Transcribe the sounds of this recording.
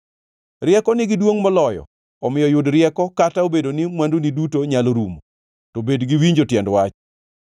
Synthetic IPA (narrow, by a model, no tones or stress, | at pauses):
rɪɛkɔnɪɡɪdwoŋmɔlɔjɔ̰ | ɔmɪjɔjʊdɾɪɛkɔkataobedonɪmwandunidutoɲaloɾumo | tɔbedɡiwiɲd͡ʒotjɛndwat͡ʃ